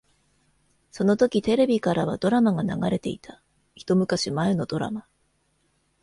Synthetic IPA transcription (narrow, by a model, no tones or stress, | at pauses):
so̞not̪o̞kʲit̪e̞ɾe̞bʲikaɾaβ̞ad̪o̞ɾamaɡanaɡaɾe̞t̪e̞̰it̪ʰa | çi̥t̪o̞mɯ̟kaɕimaeno̞d̪̥o̞ɾa̰ma